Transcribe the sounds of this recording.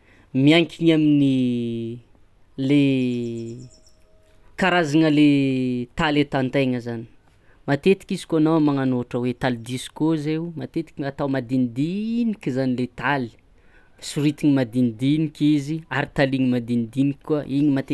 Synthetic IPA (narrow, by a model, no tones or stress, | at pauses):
miaŋkʰiɲamini | le | kaɾazaŋəlet̪alet̪ant̪ajŋəzani̥ | mat̪et̪i̥kizi̥koanamaŋanoʈ͡ʂəwet̪alid̪isi̥kozemat̪et̪i̥kat̪awmad̪ind̪inikʲzanilet̪ali̥ | suɾit̪iŋimad̪ind̪inikʲiziaɾit̪aliɲimad̪ind̪inikːuaʔiɲimat̪e